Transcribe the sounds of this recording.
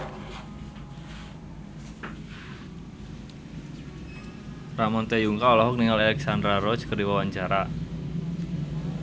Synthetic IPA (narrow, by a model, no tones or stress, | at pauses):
ramɔnt̪ejuŋkaulaɦɔk̚niŋalalɛksand̪ɾaɾɔ̥t͡ʃkərdiwawaɲd͡ʒaɾa